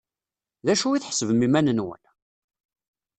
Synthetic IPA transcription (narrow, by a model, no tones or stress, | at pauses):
ðæʃuiθħəsəvmimænənwə̰n